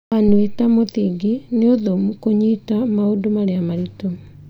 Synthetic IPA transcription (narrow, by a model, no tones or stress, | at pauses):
anwetamoθiɡineoðomukoɲitamaodomaɾeamaɾito